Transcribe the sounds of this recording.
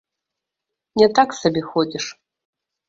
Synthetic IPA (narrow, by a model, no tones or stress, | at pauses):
nʲɛt̪aksabʲixod͡zʲiʂ